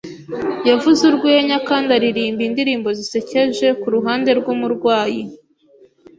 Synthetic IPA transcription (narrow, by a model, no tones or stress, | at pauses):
javuzuɾɡwieɲakaːndaɾiɾiːmbindiɾiːmbo̞zise̞ce̞ʒe̞kuɾuɦaːnde̞ɾɡumuɾɡwaːji